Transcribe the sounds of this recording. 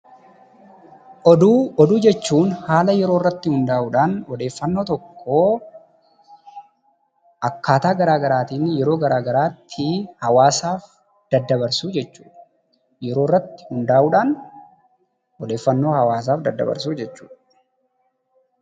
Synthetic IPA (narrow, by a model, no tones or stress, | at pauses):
ʔɔd̪uːɔd̪uːd͡ʒɛt͡ʃːuːnhaːlɐjɛɾoːrːɐt̪ːɪhʊnd̪aːʔuːᶑaːnɔd̪e̞ːfːɐnːo̞ːt̪ɔkʰːo̞ː | ʔɐkːaːt̪aːɡɐɾaːɡɐɾaːt̪iːnːɪjɛɾo̞ːɡɐɾaːɡɐɾaːt̪ʰːɪhɐwaːsaːf | d̪̥ɐd̪ːɐbɐɾsuːd͡ʒɛt͡ʃːu̥̰ːᶑɐ | jɛɾo̞ːrːɐt̪ːɪ̥hʊnd̪aːʔuːᶑaːn | ɔd̪e̞ːfːɐnːo̞ːhɐwaːs̬aːfd̪ɐd̪ːɐ̰bɐ̰ɾsuːd͡ʒɛt͡ʃːṵːᶑɐ